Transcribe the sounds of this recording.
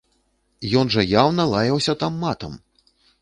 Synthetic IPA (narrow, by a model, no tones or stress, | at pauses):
jɔnʐɐjawnɐlˠajɐwsʲɐt̪amːat̪ɐm